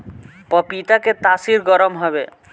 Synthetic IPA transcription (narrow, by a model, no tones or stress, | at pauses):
pɔpit̪aket̪asiɾɡɔɾomɦɔbe